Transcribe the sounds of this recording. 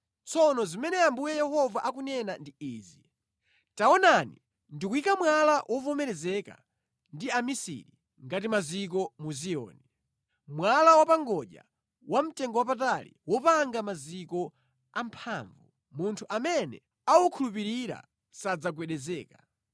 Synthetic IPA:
t͡sʰɔnɔzimɛnɛambujɛjɛhɔvaʔakunɛnandiiːzi | taɔnani | ndikuikamwalawʔɔvɔmɛɾɛzɛka̰ | ndiamisḭɾi | ŋɡatimazik̬ɔmuziɔ̰ːni | mwalawapaŋɡɔʄa̰ | wam̩tɛŋɡɔwapatalḭwɔpaŋɡamazikɔ | ampʰaɱvu | muntʰuʔamɛnɛ̰ | awukʰulup̬iɾiɾa̰ | sad͡zak̬wɛɗɛzɛːkḁ

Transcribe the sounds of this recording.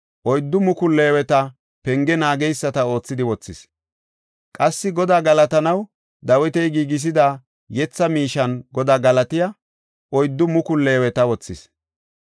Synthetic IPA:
ʔɔjd̪ːʊmʊkʊlːeːwɛt̪ɐ | pɛŋɡɛnaːɡɛjsːɐt̪ɐo̞ːt͡sːɪd̪ɪwɔt͡sːɪs | kʼɐsːɪɡɔd̪aːɡɐlɐt̪ɐnɐw | d̪ɐwɛt̪ɛjɡiːɡɪs̬ɪd̪a | jɛt͡sːɐmiːʃɐnɡɔd̪aːɡɐlɐt̪ɪjɐ | ʔɔjd̪ːʊmʊkʊlːeːwɛt̪ɐwɔt͡sːɪs

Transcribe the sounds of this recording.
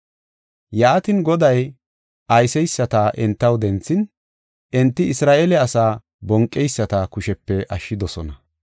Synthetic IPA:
jaːt̪ɪnɡɔd̪ɐj | ʔɐjsɛjsːɐt̪ɐʔɛnt̪ːɐwd̪ɛnt͡sːɪn | ʔɛnt̪ːɪɪsɾaːʔelɛɐsaː | bɔŋkʼːɛjsːɐt̪ɐkʊʃɛpːɛʔɐʃːɪd̪ɔsɔnɐ

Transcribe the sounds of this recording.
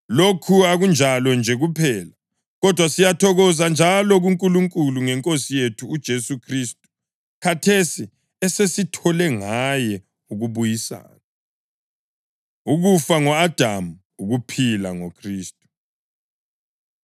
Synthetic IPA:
lokʰuaɣund͡ʒʱalɔnd͡ʒʱɛɣupʰɛːla | ɣɔd̥ʱwasijatʰɔɣɔzand͡ʒʱalɔɣuŋkʼuluŋkʼuluŋɛŋkʼosijetʰuːd̥ʒ̥ʱesukʰristʼu̥ | kʰatʰesi | ɛsesitʰɔlɛŋajɛ | uɣuβujisa̰ːna | uɣufaŋɔad̥ʱamu | uɣupʰila̰ŋokʰriːstʼu

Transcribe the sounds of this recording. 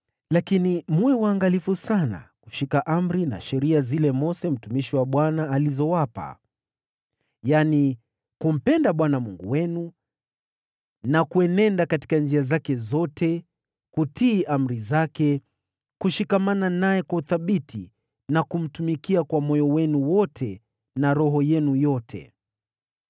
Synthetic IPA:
lakinimuɛwaːŋɡalifusana̰ku̥ʃikaʔam̩ɾina̰ʃɛɾiazilɛmɔsɛm̩tumiʃiwaɓwanaːlizɔwapa̰ | jani | kum̩pɛndaɓwanamuŋɡṵwɛnu | nakuɛnɛndakati̥kand͡ʒiazakɛzɔtʰɛ | kutiːʔam̩ɾizakɛ | kuʃikamananajɛkwauθaɓitʰi | nakum̩tumikiakwamɔjɔwɛnuwɔtʰɛ | naɾɔɦɔjɛnujɔtʰɛ̰

